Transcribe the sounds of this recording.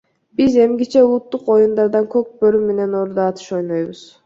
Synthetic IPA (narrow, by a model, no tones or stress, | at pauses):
b̥ize̞mɡit͡ʃe̞ulˠut̪ːuqo̞jund̪ɑɾd̪ɑŋkøk̚bøɾymːe̞ne̞no̞ɾd̪ɑːt̪ʰɯ̥ʃo̞jnojβuz̥